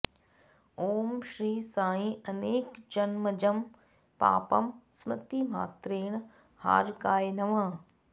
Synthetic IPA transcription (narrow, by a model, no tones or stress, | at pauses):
oːmʃɾiːsãːĩɐneːkd͡ʒɐnmɐd͡ʒɐm | pa̰ːpɐ̰msmɐt̪iːma̰ːt̪ɾeːɽ̃ | ha̰ːɾkaːjnɐʋãː